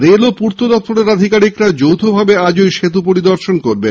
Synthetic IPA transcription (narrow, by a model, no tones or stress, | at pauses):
ɾelopuɾt̪od̪ɔp̚t̪oɾeɾad̪ʱikaɾikɾad͡ʑowt̪ʰobʱabead͡ʑojʃet̪upoɾid̪oɾʃonkoɾbe